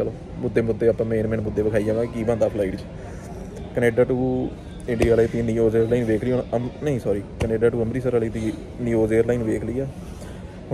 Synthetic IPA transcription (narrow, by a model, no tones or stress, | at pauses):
t͡ʃəloː | mʊd̪ːeːmʊd̪ːeːaːpːãːmẽːnmɛ̃ːnmʊd̪ːeːbəkʰaːid͡ʒãːʋãːkiːbãːnd̪aːpʰlaːiːʈt͡ʃ | kəneːɖaːʈuː | ɪ̃ɳɖijaːliːt̪iːniːoːzeːɾlaːinʋeːkʰliːonəmnəĩːsɔːɾiːkəneːɖaːʈuːəmɾiːsəɾaliːt̪iː | niːoːzeːəɾlaːiːnʋeːkʰliːaː | ʊ